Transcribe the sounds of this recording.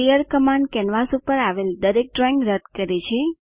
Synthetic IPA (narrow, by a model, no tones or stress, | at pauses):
ijəɾkəmãɳɖkɛnʋasupəɾaʋeld̪əɾek̚ʈɾɔĩŋɡɾəd̪kəɾet͡ʃʰe